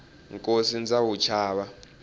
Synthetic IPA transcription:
ŋkʼosind͡zawut͡ʃʰaːɓa

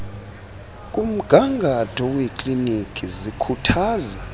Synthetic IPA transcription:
kʼum̩ɡ̥ʱaŋɡʱatʰʼɔwekʼlinikʰʼizikʰutʰaːza

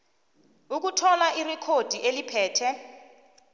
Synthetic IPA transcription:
uk̬utʰɔlaʔirɛkʰod̥ʱiʔelipʰɛːtʰɛ

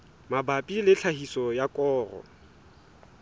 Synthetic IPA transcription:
mabapʼilɪɬʰahisɔjakʼɔːrɔ̰

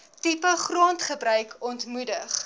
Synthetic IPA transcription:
tipəχruəntχəbrœɥkʰɔntmudəχ

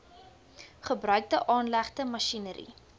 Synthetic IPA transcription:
χəbrœɥk̚dəʔɑːnlæχdəmɐʃinəɾḭ

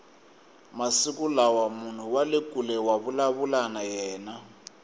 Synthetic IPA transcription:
masikulawamun̤uwalekʼulɛwaβulaβulanajɛːna

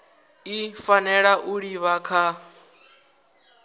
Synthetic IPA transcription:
ifanɛɺaʔuɺiβakʰa

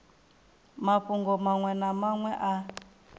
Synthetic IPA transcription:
maɸuŋɡɔmaŋwɛnamaŋwɛʔa

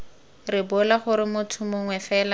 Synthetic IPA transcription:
rɪbʊlaχʊɾɪmʊtʰʊmʊŋwɛfɛːla

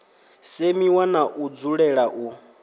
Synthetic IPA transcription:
semiwanaʔud͡zuɺɛɺaʔu

